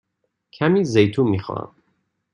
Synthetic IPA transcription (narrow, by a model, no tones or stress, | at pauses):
cʰæmiːzejt̪ʰuːmixɔ̰a̰m